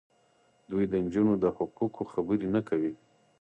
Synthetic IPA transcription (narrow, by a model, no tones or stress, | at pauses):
d̪ujd̪ənd͡ʒunod̪əhʊqukʰoxabəɾinakʰawi